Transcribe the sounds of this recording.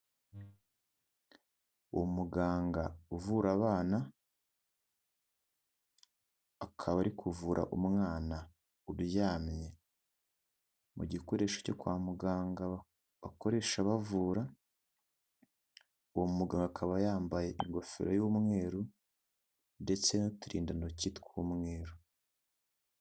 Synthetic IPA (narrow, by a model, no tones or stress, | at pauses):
uwomuɡaːŋɡauvuɾaβaːna | akʰaβaɾikʰuvuːɾʔa̰ʔumŋaːna | uɾujaːmje̞ | mṵɟiko̞ɾe̞ːʃḁco̞kwaːmuɡaːŋɡa | βa̰ko̞ɾe̞ʃaβavuːɾa | uwomumuɡaːŋɡakʰaβajaːmbaje̞ʔiŋɡo̞fḛɾojumŋe̞ːɾu | nde̞t͡se̞notuɾḭːndanociːtkumŋe̞ːɾu